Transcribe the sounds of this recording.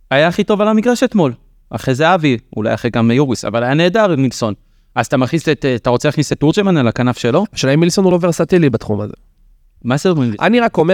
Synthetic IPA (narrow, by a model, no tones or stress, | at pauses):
ajaːχit̪o̞valamikʁaʃet̪mo̞l | a̰χʁejzeaviṵla̰jaχeɡamjuʁisa̰valajane̞ːdaʁmilso̞n | azat̪amaχiset̪at̪aʁo̞t͡seaχniset̪ːuʁd͡ʒemanalakanafʃe̞lo̞aʃaimːilso̞nuloveʁsat̪elibat̪χumazḛ | mazedomʁima̰niʁako̞me